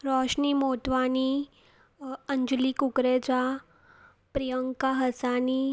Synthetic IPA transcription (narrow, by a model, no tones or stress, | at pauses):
ɾɔʃnimot̪ʋani | əɲd͡ʒlikukɾed͡ʒa | pɾijəŋkaɦəsani